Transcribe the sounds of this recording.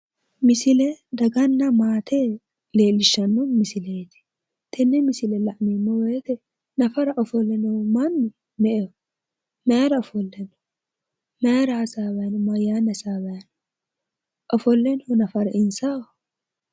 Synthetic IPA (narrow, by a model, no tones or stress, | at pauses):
mɪsɪlɛd̪ɐɡɐnːɐmaːt̪ʰe | le̞ːlːɪʃːɐnːɔmɪsɪleːt̪ɪ̥ | t̪ʰɛnːɛmɪsɪlɛlɐʔmimːɔwet̪ɛ | nɐfɐɾɐʔɔfɔlːɛnɔmɐnːʊ | mɛʔɛ | meɾɐɔfɔlːɛnɔ̥ | meːɾɐːsaːbɐnʊmɐjaːnːɐsaːbɐjn | ʔɔfɔlːɛnɔnɐfɐɾɐɪnsa